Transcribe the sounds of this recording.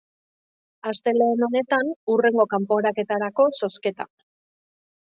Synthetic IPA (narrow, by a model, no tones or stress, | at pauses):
ast̪e̞le̞ːno̞ne̞t̪anure̞ŋɡo̞kampo̞ɾake̞t̪aɾako̞so̞ske̞t̪a̰